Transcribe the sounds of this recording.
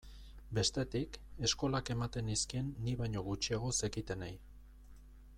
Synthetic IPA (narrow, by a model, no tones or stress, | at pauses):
be̞st̪e̞t̪ike̞sko̞lake̞mat̪e̞niskie̞nːiβajɲo̞ɣ̞ut͡ʃiaɣ̞o̞se̞kit̪e̞naj